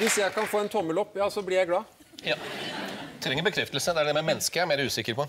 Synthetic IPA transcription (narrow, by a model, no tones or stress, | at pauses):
ʋɪsjæɪkʰɑnfoːɛnt̪ʰɔmːəlɔpːjɑːsɔblɪɾjæɪɡlɑː | jɑː | t̪ʰɾɛŋːəɾbəkʰɾɛft̪lsəd̪ɛæɖɛmɛmɛnːskəæɾmeːɾəʉːsɪkːəɾpʰɔ